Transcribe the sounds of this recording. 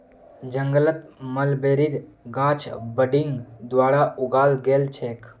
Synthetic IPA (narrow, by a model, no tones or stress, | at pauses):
d͡ʒə̃ŋɡələt̪məlbeːɾiɾɡãːt͡ʃʰbəɖiŋɡd̪ʋaːɾaʊɡaːlɡeːlt͡ʃʰeːk